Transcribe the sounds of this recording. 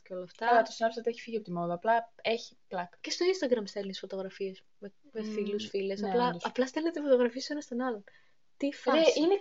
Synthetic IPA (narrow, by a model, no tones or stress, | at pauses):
ceo̞lɐːft̪ɐlɐt̪osinɐpsɐt̪ieçi̥fiʝiɐpot̪imoðɐɐplɐeçi̥plɐkcest̪o̞inst̪ɐɡɾɐmst̪elinesfo̞t̪o̞ɣɾɐfiɐs | me | mefilusfile̞sɐplɐɐplɐst̪elnet̪efot̪o̞ɣɾɐfiesenɐst̪onɐlo̞n | t̪ifɐeine